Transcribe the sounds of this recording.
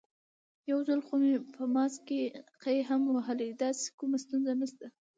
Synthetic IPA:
jawzalxomepəmɑskeqajɦamwaɦəlid̪ɑse̥kumast̪unzanəst̪a

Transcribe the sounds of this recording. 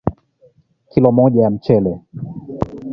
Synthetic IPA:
kʰilomɔjɛmt͡ɕʰele

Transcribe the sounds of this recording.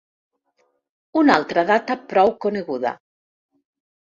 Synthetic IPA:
unalˠt̪ɾaðat̪apɾɔwkoneɣuða̰

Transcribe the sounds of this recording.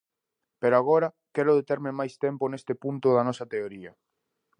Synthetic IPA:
peɾoaɣ̞oɾɐ | kɛɾʊðet̪ɛɾmɪmajst̪ɛmponest̪ɪpunt̪ʊðɐnɔsɐt̪eoɾiɐ

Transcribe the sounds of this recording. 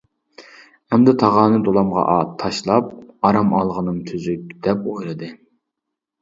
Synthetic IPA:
ɛmd̪ɛt̪ʰɑʁɑːnɨd̪olˠɑmʁɑ̰ʔɑt̪ʰɑʃlˠɑp̚ɑɾɑmɑlˠʁənɨŋt̪ʰyzyk̚ʲd̪̥ɛpojɾɨd̪ɨ

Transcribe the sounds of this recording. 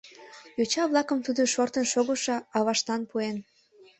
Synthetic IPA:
jot͡ɕɑβlˠɑkəmt̪ud̪oʃort̪ənʃoɣoʃɑɑβɑʃt̪ɑnpuen

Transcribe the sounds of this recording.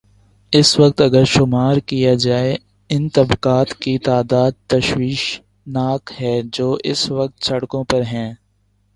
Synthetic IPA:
ɪsʋɐq̚t̪ɐɡəɾʃʊmaːɾkijad͡ʒaːe | ɪnt̪ɐbqaːt̪kit̪aːd̪aːd̪̚t̪ɐʃwiːʃ | naːkɦɛːd͡ʒoːʔɪsʋɐq̚t̪sɐɽkõpɐɾɦɛ̃ː

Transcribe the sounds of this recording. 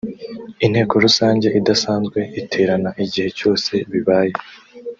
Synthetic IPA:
in̥he̞ːko̞ɾusaːɲɟe̞ʔidasaːnzɡwe̞ʔitʰe̞ːɾanaʔiɟihe̞co̞ːse̞βiβaːje̞

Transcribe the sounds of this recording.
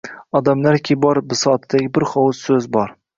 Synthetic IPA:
ɒd̪amlaɾkʲʰebɒɾbɪsɒt̪ʰd̪aɡʲɪbɪɾχɒwʊsːɵzbɒɾ

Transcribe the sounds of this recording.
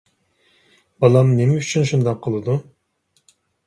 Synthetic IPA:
bɑlˠɑmnemɛyt͡ʃʰynʃund̪ɑqʰːəlˠɨd̪u

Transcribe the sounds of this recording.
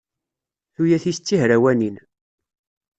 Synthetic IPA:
θujæθist͡sːihɾæwænin

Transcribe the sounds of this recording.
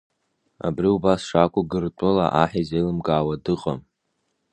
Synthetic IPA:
a̰briubasʂakʷʼʊɡɨrtʷʼʊla̰ʔaħizelɨmkʼaːwadɨqʼam

